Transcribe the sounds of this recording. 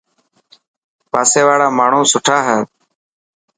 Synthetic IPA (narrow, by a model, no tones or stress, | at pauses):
paːseːʋaːɽaːmaːɳ̤õːsʊʈʰaːɦɛː